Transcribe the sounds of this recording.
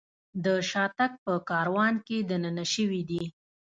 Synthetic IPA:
d̪əʃɑt̪ak̚pəkɑɾwɑnked̪ananaʃəwid̪i

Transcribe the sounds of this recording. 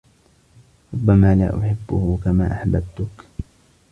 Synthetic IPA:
ɾˤʊbːamaːlaːʔʊħɪbːʊhʊkama̰ːʔaħbabt̪ʊk

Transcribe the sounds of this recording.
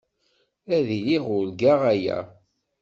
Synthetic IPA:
æðiliʁʊlɡaʁæjæ̰

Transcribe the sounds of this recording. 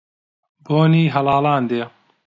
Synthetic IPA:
boːniːɦɐlɑːlaːnd̪eː

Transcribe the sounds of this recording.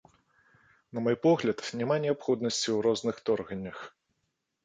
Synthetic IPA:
nɐmɔjpɔɣlʲɐt̪nʲamanʲɛapxɔd̪nɐsʲt͡sʲiwɾɔznɨxt̪ɔrɣɐnʲːɐx

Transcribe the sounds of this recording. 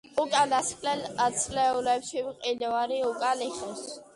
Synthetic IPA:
ukʼalaskʼlɛlat̪sʰlɛulɛpʃimqʼilvaɾiukʼaliχɔs

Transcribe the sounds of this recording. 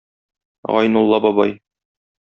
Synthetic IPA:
ʁɑ̰jnulˠːɑbɒbɑ̰j

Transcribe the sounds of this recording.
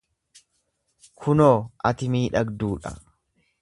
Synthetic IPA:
kʰʊnoːʔɐt̪ɪmiːᶑɐɡd̪uːᶑɐ̰

